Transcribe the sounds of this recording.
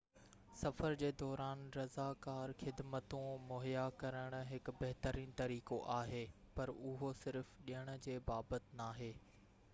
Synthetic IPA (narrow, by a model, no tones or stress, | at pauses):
sɐfəɾd͡ʑeːd̪ɔːɾaːnɾɐzakaːɾxɪd̪mət̪ũmoːɦijakɐɾəɽ̃ʊ̆ɦɪk̆bɐɦt̪əɾiːn̆t̪ɐɾiːkoʔaːɦeː | pɐɾʊɦosɪɾfɗiəɽ̃ʊ̆d͡ʑeːbaːbət̪naːɦeː